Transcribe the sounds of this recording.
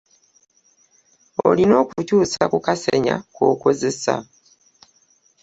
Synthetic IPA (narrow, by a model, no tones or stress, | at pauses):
o̞lino̞ːkucuːsakukaseɲa̰ko̞ːkoze̞sa̰